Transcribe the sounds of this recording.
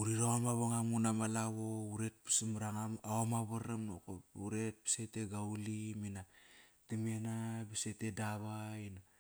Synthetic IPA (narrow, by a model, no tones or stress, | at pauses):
uɾiɾaomaβaŋamunamalaβouɾe̞t̚pi̥simɾaŋaaomaβaɾamno̰kouɾe̞t̚pi̥seteɡauliminatimenabisete̞daβaina